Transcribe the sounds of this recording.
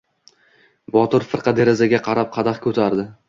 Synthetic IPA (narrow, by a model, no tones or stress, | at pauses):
bɒt̪ʊɾfɨɾqʰɑd̪e̞ɾazaɡʲaqʰɑɾap̚qʰɑd̪aχkʲʰɵt̪ʰaɾd̪ɪ